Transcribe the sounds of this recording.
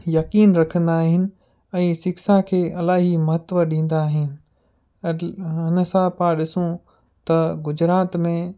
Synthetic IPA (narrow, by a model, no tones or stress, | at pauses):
jɐkiːnɾɐkʰə̃nd̪aːɦɪnɪ̆ | ɛ̃ːsɪksakʰeːɐlaːɦimɐɦət̪ʋəɗĩːn̆d̪aːɦɪnɪ̆ | ɪnə̆sãpaːɗɪsũ | t̪ɐɡʊd͡ʑɾaːt̪mẽ